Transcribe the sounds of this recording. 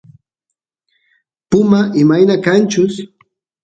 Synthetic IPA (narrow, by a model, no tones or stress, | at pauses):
pʊmaʔɪmajnakant͡ʃʊs